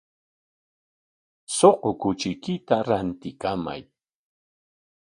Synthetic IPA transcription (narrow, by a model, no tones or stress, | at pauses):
soqokʊt͡ʃɪkɪt̪aɾant̪ɪkama̰j